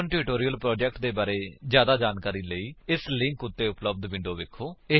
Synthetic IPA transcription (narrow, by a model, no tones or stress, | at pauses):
əɳʈiːʈoːɾiːəlpɾɔːd͡ʒɛːk̚ʈ̚d̪eːbaːɾeːd͡ʒjaːd̪aːd͡ʒaːnkaːɾiːləiːɪslɪ̃ŋkʊt̪ːeːʊpləb̚d̪ʋɪ̃ɳɖoːʋɪkʰoːɪ